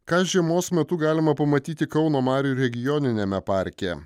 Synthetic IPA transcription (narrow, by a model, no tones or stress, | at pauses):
kɑːʒʲiɛmoːsmʲɛt̪ʊɡɑːlʲɪmɐpɐmɐt̪ʲiːt̪ʲɪkɒʊnoːmɑːɾʲuɾʲɛɡʲɪjɔnʲɪnʲemʲɛpɑːɾʲkʲɛ̰